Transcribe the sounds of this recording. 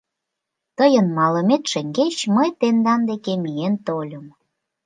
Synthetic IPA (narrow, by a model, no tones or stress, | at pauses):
t̪əjənmɑləmet̪ʃeŋɡet͡ɕməjt̪end̪ɑnd̪ekemient̪olʲəm